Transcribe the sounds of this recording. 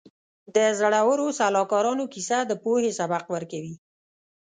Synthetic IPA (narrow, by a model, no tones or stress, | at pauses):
d̪əzaɽawəɾosalɑkɑɾɑnokisad̪əpohesabaqwəɾkawi